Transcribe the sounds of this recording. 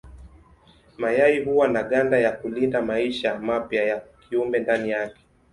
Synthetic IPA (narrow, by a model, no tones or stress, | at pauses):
majaiɦuwanaɠandajakulindamaiʃamapjajakʰiumbɛndanijakɛ̥